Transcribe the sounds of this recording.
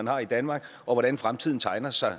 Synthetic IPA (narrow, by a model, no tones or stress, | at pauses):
ænhɑ̈ːid̥ænmɑ̈ːɡ̥ | ʔɒ̽ʋɒɾ̥ænfʁamt͡sʰið̞̰ˠn̩t͡sʰɑ̈ɪnɐsɑ̈ɪ